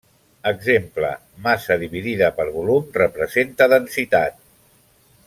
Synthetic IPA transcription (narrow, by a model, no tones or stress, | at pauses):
əɡzemplə̰ | masəðiβiðiðəpəɾβulumrəpɾəzent̪əðənsit̪at̪̚